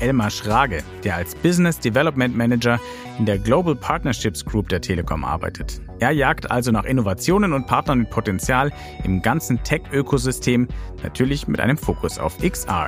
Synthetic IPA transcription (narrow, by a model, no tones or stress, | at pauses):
ʔɛlmaʃʁ̥aːɡəd̥eːɐalsb̥ɪznɪsd̥ivɛlɔpmɛntmɛnɛd͡ʒɐ | ʔɪndeːɐɡloʊbl̩pʰaɐtnɐʃɪpsɡ̥ʁuːp̚d̥eːɐtʰeːləkʰɔ̰mʔa̰ɐba̰ɪtʰətʔeːɐjaːktʔa̰lzonaːχʔɪnovat͡sjoːnənʊnt̚pʰaɐtnɐnmɪt̚pʰotɛnt͡sjaːl | ʔɪmɡant͡sn̩tʰɛkʔøːkʰozʏstʰeːmna̰tʰyːɐlɪçmɪ̰tʔa̰ɪnəmfoːkʰʊsa̰ʊfʔɪksa̰ː